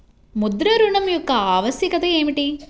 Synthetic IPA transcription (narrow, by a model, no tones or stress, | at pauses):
mud̪ɾɐɾuɳɐmjɔkːɐaːʋɐsjɐkɐt̪ɐeːmiʈi